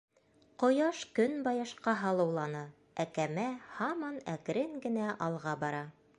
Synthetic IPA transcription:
qŏjɑʃkɵnbɑjɑʃqɑɦɑlˠɤ̆wlˠɑnɤ | ækæmæhɑmɑnæk̆ɾɘŋɡɘ̆næʔɑlˠʁɑbɑɾɑ

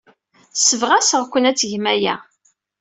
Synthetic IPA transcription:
səvʁæsəʁkʷənæt͡sːʝmæjæ̰

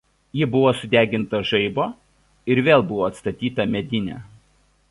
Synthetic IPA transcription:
jɪbʊʋoːsʊd̪ʲæːɡʲɪnt̪ɐʒɐɪboː | ɪɾʋʲeːlˠbʊʋoːɐt̪st̪ɐt̪ʲiːt̪ɐmʲɛd̪ʲɪnʲæ̰ː

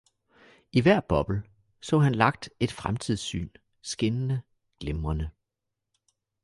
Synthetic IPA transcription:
iʋæɐ̰b̥ɒ̽b̥l̩ | sɔ̰̽ːhænlɑ̈ɡ̥̚d̥e̝d̥fʁamt͡sʰið̞̰ˠsy̰ːn | sɡ̥enənə | ɡ̥lemʁɐnə

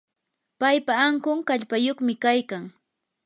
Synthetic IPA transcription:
pajpaːŋkʊŋkaʎpajoχmɪkajkaŋ

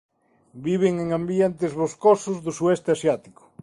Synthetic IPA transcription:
biβ̞eŋeŋambjent̪ɪzβoskosʊzðʊsuɛst̪easjat̪ikʊ̥

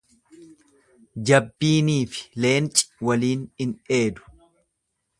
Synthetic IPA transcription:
d͡ʒɐbːiːniːfɪ̥le̞ːnt͡ʃʼɪ̥wɐliːnɪnʔe̞ːd̪ʊ̥

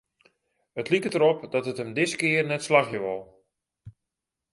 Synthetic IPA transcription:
ətʰlikətəɾɔpdɔtəthəmdɪskɪərnɛtslaxjəʋɔlˠ

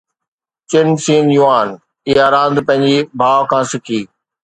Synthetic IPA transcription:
t͡ɕɪnsiːnjuaːn | iaːɾãːnd̪pɐ̃ɦɪ̃ɲd͡ʑibʱaːʋkʰãːsɪkʰiː

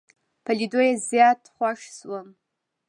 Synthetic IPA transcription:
pʰalidojazjatʰχʷaʂswan

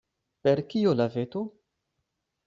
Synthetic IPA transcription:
peɾkiolavet̪o

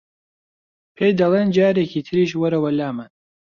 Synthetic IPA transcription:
pʰejd̪ɐlˠeːnd͡ʒaːɾecʰiːt̪ʰɨɾiːʃwɐɾɐwɐlaːman

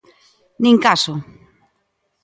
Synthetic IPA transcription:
nĩŋkaso

